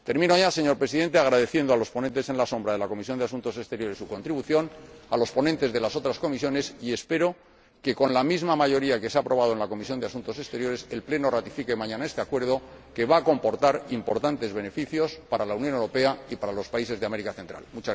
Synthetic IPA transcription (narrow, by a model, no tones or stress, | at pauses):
t̪e̞ɾmĩnoʝase̞ɲo̞ɾpɾe̞siðe̞nt̪e̞aɣ̞ɾaðe̞θje̞nd̪o̞alo̞spo̞nent̪ese̞nlaso̞mbɾaðe̞lako̞mis̬o̞nd̪easũnt̪o̞se̞st̪e̞ɾjo̞ɾe̞sːuko̞nt̪ɾiβuθjo̞nalo̞spo̞nent̪e̞zðe̞laso̞t̪ɾasko̞misjo̞ne̞sie̞spe̞ɾo | ke̞ko̞nlamizmamaʝo̞ɾiake̞seapɾo̞βað̞oenlako̞misjo̞nd̪easunt̪o̞se̞st̪e̞ɾjo̞ɾe̞se̞lple̞no̞rat̪ifike̞mãɲãnae̞st̪e̞akwe̞ɾð̞o̞ | ke̞βaːko̞mpo̞ɾt̪aɾimpo̞ɾt̪ant̪e̞zβe̞ne̞fiθjo̞spaɾalauwnjonewɾo̞pe̞aipaɾalo̞spaise̞zðeame̞ɾikaθe̞nt̪ɾa̰lmut͡ʃa